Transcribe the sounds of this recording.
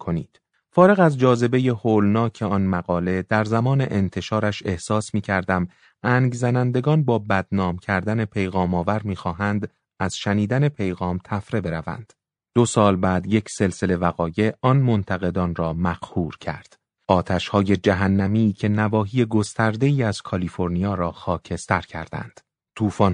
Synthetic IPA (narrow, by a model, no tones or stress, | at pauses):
kʰonḭːd̪̥ | fɒːɾe̞ɣæzd͡ʒɒːze̞be̞je̞hoːlnɒːcʰe̞ɒnmæɣɒːle̞d̪æɾzæmɒːne̞ʔent̪ʰe̞ʃɒːɾæʃe̞hsɒːsmiːcʰæɾd̪æm | æːŋɡzænænd̪e̞ɡɒːnbɒːbæd̪̚nɒːmcʰæɾd̪æne̞pʰe̞jɣɒːmɒːvæɾmiːxɒːɦænd̪ | æz̥ʃæniːd̪æne̞pʰe̞jɣɒːmt̪ʰæfɾe̞be̞ɾævæ̰nd̪̥ | d̪̥o̞sɒːlbæːd̪je̞cʰse̞lse̞le̞væɣɒːje̞ʔɒnmo̞nt̪ʰæɣe̞d̪ɒːnrɒːmæqhuːɾcʰæ̰ɾd̪̥ | ɒːt̪ʰæʃhɒːje̞d͡ʒæɦænːæmiːcʰe̞nævɒːɦiːje̞ɡo̞st̪æɾd̪e̞iːæz̥kʰɒliːfo̞ɾniɒːɾɒːxɒːcʰe̞st̪æɾcʰæ̰ɾd̪æ̰nd̪̥ | t̪ʰuːfɒn